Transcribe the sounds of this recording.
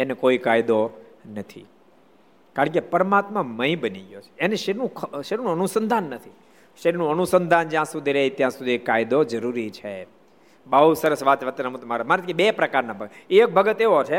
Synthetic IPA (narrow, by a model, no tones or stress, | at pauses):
enekoikajd̪onət̪ʰḭ | kaɾəɳkepəɾmat̪mãmə̃ĩbəniɡjot͡ʃʰe̥ːneʃenũkʰʃeɾnũənusənd̪ʱanːət̪ʰi | ʃenũənusənd̪ʱand͡ʒjãsud̪ʱiɾəɦit̪jãsud̪ʱiekːajd̪od͡ʒəɾuɾit͡ʃʰe | bəɦusəɾəsʋat̪ʋət̪ːənəmũt̪maɾamaɾet̪kibepɾəkaɾnabʱəɡəek̚bʱəɡət̪eʋot͡ʃʰe